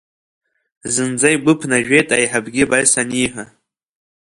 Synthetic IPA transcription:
zɨnd͡zaiɡ͡bʷɨpʰnaʒᶣejtʼajħabɡʲibaɥsaniħʷa

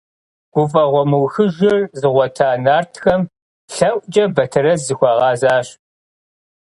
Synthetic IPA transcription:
ɡ̥ʷʊfɐʁʷɔmɨwxɨʒɪrzɨʁʷɔtʰaːnaːrtʰxɐm | ɬɐʔʷʼd͡ʒʼɐbɐtʰɨrɐzzɨxʷɐʁɑːzaːɕ

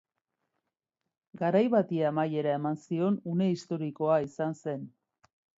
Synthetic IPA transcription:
ɡaɾajβat̪iamaje̞ɾae̞mansio̞nune̞ist̪o̞ɾiko̞aisanse̞n

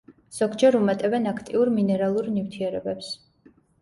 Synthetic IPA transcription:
z̥ɔɡd͡ʒɛɾumɛt̪ʼɛvɛnakʰt̪ʼiuɾminɛɾalˠuɾnift̪ʰiɛɾɛbɛps

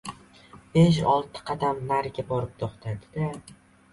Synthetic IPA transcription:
b̥eʃ̬ɒlˠt̪ʰɪ̥qʰɑd̪amnːaɾɡʲabɒɾɪp̚t̪ʰoχt̪ʰad̪ɪd̪a

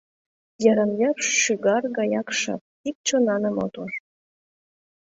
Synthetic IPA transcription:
jɑɾɑnverʃːyɣɑrɣɑjɑkʃɑ̰t̪̚ik̚t͡ɕonɑnəmo̰t̪or

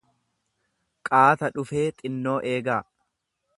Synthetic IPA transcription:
kʼaːt̪ɐᶑʊfe̞ːt̪ʼɪnːo̞ːʔeːɡaː

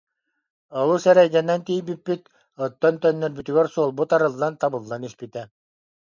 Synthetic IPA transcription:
ɔlˠusɛɾɛjɡ̪ɛnɛnt̪ijbipːit̪ | ɔt̪ːɔnt̪œnːœɾbyt̪yɡɛɾsuɔlˠbut̪aɾɯlˠːant̪abɯlˠːanispit̪ɛ

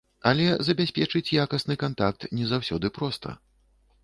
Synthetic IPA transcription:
ɐlʲɛzɐbʲasʲpʲɛt͡ʂɨt͡sʲjakɐsnɨkant̪ak̚t̪nʲɛzawsʲɔd̪ɨpɾɔst̪ʰɐ̰

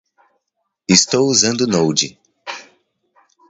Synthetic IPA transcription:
ist̪owuzɐ̃nd̪ʊnowd͡ʒi

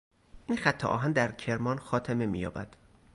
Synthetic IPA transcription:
ʔinxæt̪ʰːḛʔɒ̰ːɦænd̪æɾcʰe̞ɾmɒːnxɒːt̪ʰeme̞mḭːjɒ̰ːbæ̰d̪̥

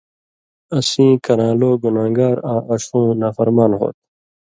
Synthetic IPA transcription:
ɐsĩːkɐɾãːloːɡunãːŋɡaːɾãːʔɐɕũːnaːfɐɾmaːnɦo̰ːt̪̚

